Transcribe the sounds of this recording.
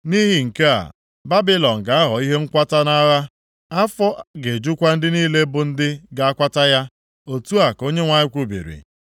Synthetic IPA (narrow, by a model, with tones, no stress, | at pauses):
ni˦ɦi˨ŋ̩˨ke˦a̰˨ | ba˦bɪ˦lɔ˨ŋ̩˨ɡa˨a˦ɦɔ˨i˦ɦe˦ŋ̩˦kʷa˦ta˦na˦ɣa˦ | a˦fɔ˦ɡe˨d͡ʒu˦kʷa˦n̩˦dɪ˦niː˦le˦bʊ˨n̩˦dɪ˦ɡa˨a˦kʷa˦ta˦ja˦ | o˨tu˦a˨ko˦ɲe˦ŋʷa˦ɲɪ˦kʷu˦bḭ˨ɾḭ˨